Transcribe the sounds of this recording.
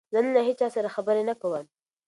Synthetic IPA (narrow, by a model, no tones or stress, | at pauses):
zənlaɦet͡ʃɑsaɾaxabəɾenakawəm